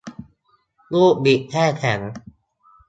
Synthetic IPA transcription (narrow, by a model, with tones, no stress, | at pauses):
luː˥˩k̚bi˨˩ʔ̚kʰɛː˥˩kʰɛ˩˦ŋ